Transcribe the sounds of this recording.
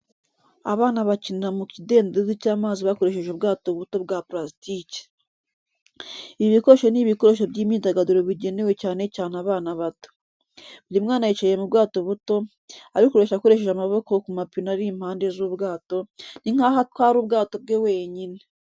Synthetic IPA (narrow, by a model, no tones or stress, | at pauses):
aβaːnaβaciniɾamukide̞ːndezicaːmaːziβako̞ɾe̞ʃe̞ʒuːbɡaːto̞βuto̞b̚ɡapɾastici̥ | iiβikoɾoʃoniβiko̞ɾo̞ʃobɟiːmiːdaɡaduɾoβiɟe̞ne̞we̞caːne̞caːnaβaːnaβato̥ | βuɾimŋaːnajit͡ʃaje̞mubɡaːto̞βuto̞ | aɾikuɾe̞ʃako̞ɾe̞ʃe̞ʃamaβo̞kokumapinaɾiːm̥haːndezuːβɡaːto̞niŋ̥ahatkwaːɾuːb̚ɡaːto̞b̚ɡewe̞ːɲine